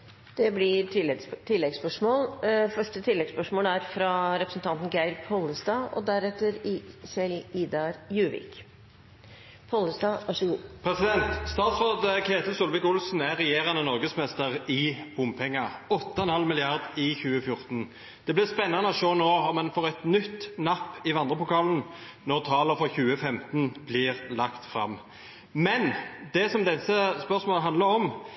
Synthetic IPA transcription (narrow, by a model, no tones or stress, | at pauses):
d̪̥ɛblɪɾt̪ʰɪlːɛɡspœʂmoːlfœʂʈət̪ʰɪlːɛɡspœʂmoːlæɾfɾɑɾɛpɾəsn̩t̪ʰɑnt̪n̩ɡæɪɾpʰɔlːəsd̪ɑːɔ̰d̪æɾɛt̪əɾɪsɛliːd̪ɑɾjʉːʋɪ̰ːk | pʰɔləsd̪ɑːʋɑʂɔɡuːpʰʁɛsɪd̪ɛnt̪st̪ɑːt̪sʁoːd̪kʰeːt̪əsʊlʋɪkʊlsn̩æʁɛjeːʁɑnənɔʁɡəsmɛst̪əʁɪb̥ʊmpʰɛŋːɑɔt̪ːəɛnhɑlmɪlɪɑʁd̪ɪçʉːəfjʊʁt̪n | d̪̥ɛblɪʁspɛnːɑnəɔʃoːnoːɔmːɛnfoːʁɛt̪nʏt̪ːnɑpːɪʋɑnd̪ʁəpʊkɑːlən | nɔʁt̪ʰɑːləɾfɔʁçʉːəfɛmt̪nblɪʁlɑkt̪fɾɑ̰mː | mɛnd̪ɛsɔmd̪ɛsːəspœʁsmoːlɦɑnd̪ləʁɔm